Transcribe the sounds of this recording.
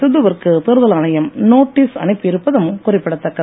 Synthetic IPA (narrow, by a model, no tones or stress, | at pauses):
sʊðɯʋɐɾkɯt̪ɪɾɯðɐlɐːɳɐjɐmnoːʈːiːsɐ̰nɪpːɯɪɾɯpːɐðɐmɯkʊrɪpːɪɽɐt̪ːɐkːɐð